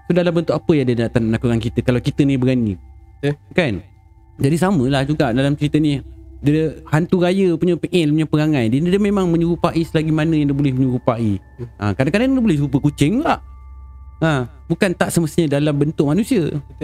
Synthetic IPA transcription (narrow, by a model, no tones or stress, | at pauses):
sodalambənt̪ʊkapəjaŋdədat̪anməlakukankit̪əkalawkit̪ənibəɡani | kan | d͡ʒadisaməlahd͡ʒuɡaʔdalamt͡ʃəɾit̪ənidəhant̪uɾajəpuɲəpiʔɛnpuɲapəɾaŋãndəndəmemaŋməɲuɾupaʔisəlaɡimanəjaŋdəbolɛhməɲuɾupaʔi | ʔə̰̃kadaŋkadaŋdəbolɛhɾup̬əkut͡ʃɪŋlaʔ | ə | bukant̪aʔsəməst̪iɲədalambənt̪ʊʔ̚manusiə